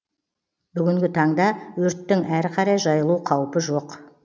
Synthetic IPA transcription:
bʏɡʲɪŋɡʲɪt̪ʰɑɴd̪ɑwɵɾt̪ːɪŋæɾqʰɑɾɑjʒɑjəlˠuqʰɑwpəʒo̞q

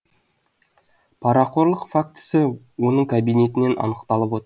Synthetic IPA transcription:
pʰɑɾɑqo̞ɾlˠəqfakt̪ɪ̥sɪ | wo̞nəɴkʰabijne̞t̪ɪne̞nʔɑ̰nəqt̪ɑlˠəpwo̞t̪əɾ

